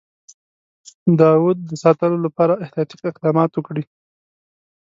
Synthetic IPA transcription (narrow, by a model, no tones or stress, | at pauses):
d̪ɑwud̪̚ːəsɑt̪əlolapɑɾaɪht̪ijɑt̪i̥qɪq̚d̪ɑmɑt̪wəkɽi